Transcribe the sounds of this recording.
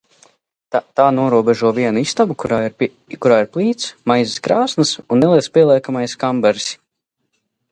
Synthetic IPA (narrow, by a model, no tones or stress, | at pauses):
t̪aːnuɔɾuɔbɛʒuɔviɛnuist̪avukuɾaːɾ | kuɾaːiɾplˠiːt̪smajziskɾaːsnɐsunːɛlˠiɛspʲiɛlˠiɛkamajskambɛɾsʲ